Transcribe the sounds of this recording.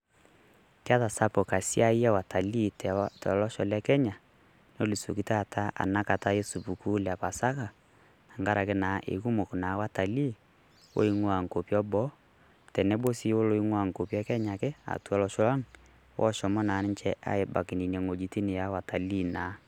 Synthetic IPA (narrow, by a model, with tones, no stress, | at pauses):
ka˦ta˨sa˦po˨ka˨si˦a˦i˦a˦wa˨ta˨li˦ttɛ˨lɔ˦ʃɔ˨lɛ˦kɛ˦ɲa˨ | no˦li˨so˨ki˦ta˦˨ta˦a̰˨na˦ka˨ta˦je˦su˨pu˨ku˦lja˨pa˨sa˦ka˨ | a˨ŋɡa˦ɾa˨ke˦naː˨˦ʔḛ˨ku˦mo˨kna˨˦wa˦ta˨li˦ | wo̰˦i˦ŋwa˨ŋko˨pjɔ˦bɔ˦ | tɛ˨nɛ˦bo˦si˦o˦lo˦i˦ŋwa˦˨ŋ˨ko˨pɛ˦kɛ˦ɲa˨kɛ˦a̰˨tu˦ɔ˦lɔ˨˦ʃɔ˦la˦ŋ | wʔɔ̰˦ʃɔ˨mɔ˦naː˨˦nɪ˦nt͡ʃɛ˦ʔa̰˦e˨ba̰˨ki˨ni˨n˨ɛ˨ŋo˨d͡ʒi˦ti˦nɪ˨ja˨˦wa˨ta˨li˦˨na˨˦